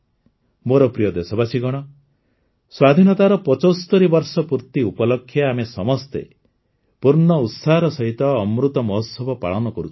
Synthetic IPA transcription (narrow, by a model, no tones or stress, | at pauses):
moɾɔpɾijɔd̪esɔbasiɡɔɽ̃ɔ | swad̪ʱinɔt̪aɾɔpɔt͡ʃɔst̪ɔɾibɔɾsɔpuɾt̪iupɔlɔkʰːjaamesɔmɔst̪ḛ | puɾɳɔut̪saɦɔɾɔsɔɦit̪ɔːmɾut̪ɔmɔɦosɔbʱɔpa̰ɭɔnɔkɔɾut͡ʃʰi̥